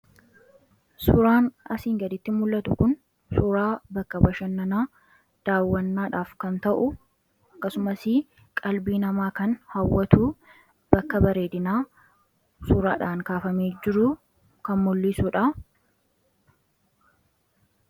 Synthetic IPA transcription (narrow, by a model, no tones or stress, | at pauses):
sʊɾaːnɐsiːŋɡɐd̪ɪt̪ːɪmʊlːɐt̪ʊkʊn | sʊɾaːbɐkːɐbɐʃɐnːɐnaː | d̪̥aːwːɐnːaːᶑaːfkɐnt̪ɐʔʊ | ɐkːɐsʊmɐsɪ | kʼɐlbiːnɐmaːkɐnhɐwːɐt̪uː | b̥ɐkːɐbɐɾe̞ːd̪ɪnaː | sʊɾaːᶑaːŋkaːfɐmeːd͡ʒɪɾʊ | kɐnmʊlːisʊᶑɐ